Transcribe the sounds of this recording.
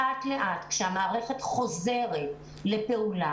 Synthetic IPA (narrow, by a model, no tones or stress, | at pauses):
atle̞ʔat̪kʃehamaːʁe̞χe̞tχo̞ze̞ʁet̚ | le̞pe̞ula